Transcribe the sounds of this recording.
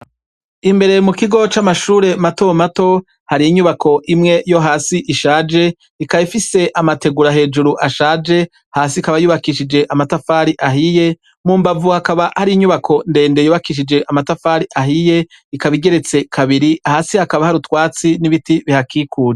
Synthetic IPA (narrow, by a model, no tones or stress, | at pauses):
imbe̞ɾe̞mukiɡo̞t͡ʃamaʃuːɾe̞mato̞mato̞ | haɾiːɲuβakʰo̞ʔimŋe̞jo̞ɦaːsiʔiʃaːd͡ʒe̞ | ikaifise̞ʔamate̞ɡuɾaɦe̞ːd͡ʒuɾuʔaʃaːd͡ʒe̞ | haːsikaβajuːβakiʃid͡ʒe̞ʔamatafaːɾiʔaɦije̞ | muːmbavuhakaβahaɾiɲuβakʰo̞nde̞ːnde̞juːβakiʃ̬id͡ʒe̞ʔamatafaːɾiʔaɦije̞ | ikaβiɡe̞ɾe̞t͡se̞kʰaβiɾiahaːsihakaβahaɾutwaːt͡siniβitiβihakiːkʰuːɾe